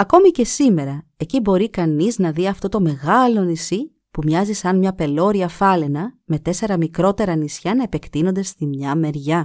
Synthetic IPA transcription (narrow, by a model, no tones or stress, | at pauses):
ɐko̞mice̞sime̞ɾɐe̞cibo̞ɾikɐniznɐðiɐft̪o̞t̪o̞me̞ɣɐlo̞nisi | pumɲɐzisɐnmɲɐpe̞lo̞ɾiɐfɐle̞nɐme̞t̪e̞se̞ɾɐmikɾo̞t̪e̞ɾɐnisçɐnɐepe̞kt̪ino̞nd̪e̞st̪imɲɐme̞ɾʝɐ